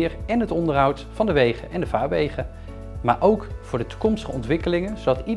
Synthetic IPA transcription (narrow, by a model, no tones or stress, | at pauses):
ɹɛnɦətɔndərɦʌwtfɑndəʋejχə̰nʔɛndəvaːɹʋejχə | maːɹʔowkfʊːɹdətu̥kɔmstəχəɔntʋɪkəlɪŋənzowdɑti